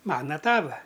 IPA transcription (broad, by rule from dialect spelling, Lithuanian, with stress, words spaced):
ˈmɑːnɐ ˈtɑːʋɐ